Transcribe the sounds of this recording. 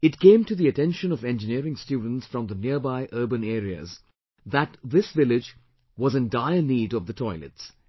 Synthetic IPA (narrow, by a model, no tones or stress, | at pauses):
ɨt̚kʰẽɪ̃mtɨðiɨtɛ̃nʃə̃nʌvɛ̃nd͡ʒɨniəɾɪ̃ŋstjuːdⁿn̩tsfɹʌ̃mðənɪəbaɪʔɜ˞bə̃neːɾiə̰z | ðætðɪsvɪlɪd͡ʒ | wʌzɨ̃ndaɪəniːɾʌvðətʰɔɪlɨ̰ts